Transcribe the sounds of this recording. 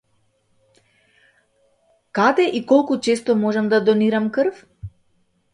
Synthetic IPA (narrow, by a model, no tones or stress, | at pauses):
kad̪ɛʔikɔlˠkut͡ʃɛst̪ɔmɔʒɛmd̪ad̪ɔniɾamkrf